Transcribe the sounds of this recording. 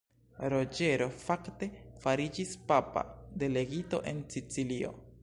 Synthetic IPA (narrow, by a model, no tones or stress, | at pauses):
ɾo̞d͡ʒe̞ɾo̞fakte̞faɾid͡ʒispapa̰de̞le̞ɡito̞̰ʔe̞nsit͡silio̞̰